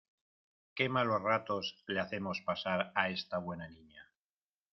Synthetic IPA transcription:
ke̞malo̞zrat̪o̞sleaθe̞mo̞spasaɾae̞st̪aβwe̞naniɲa

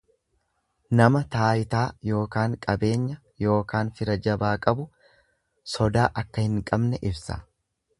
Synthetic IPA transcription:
nɐmɐt̪aːjɪt̪aːjo̞ːkaːŋkʼɐbe̞ːɲːɐ | jo̞ːkaːnfɪɾɐd͡ʒɐbaːkʼɐbʊ | sɔd̪aːʔɐkːɐhɪŋkʼɐbnɛʔɪbsɐ̰

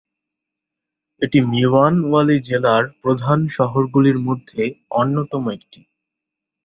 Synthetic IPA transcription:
eʈimiʋanualid͡ʑelaɾpɾod̪ʱanʃɔɦoɾɡuliɾmod̪ʱːeonːot̪ɔmoek̚ʈi̥

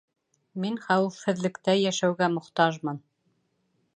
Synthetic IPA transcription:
minχæwɘ̆fhɘ̆ðlɘ̆kt̪æjæʃæwɡæmŏχt̪ɑʒmɤn

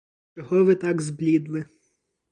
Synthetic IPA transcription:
t͡ʃɔɦɔʋɪt̪ɑɡzblʲid̪mɪ

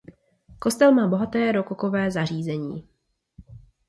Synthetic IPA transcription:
ko̞st̪ɛlmaːbo̞ɦat̪ɛːɾo̞koko̞vɛːzar̝iːzɛɲḭː

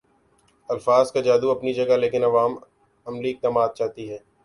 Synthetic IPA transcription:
ɐlfaːzkad͡ʒaːd̪uɐpnid͡ʒɐɡaleːkɪnɐʋaːm | ɐmliɪk̚t̪ɐmaːt̪̚t͡ʃaːɦt̪iɦɛː

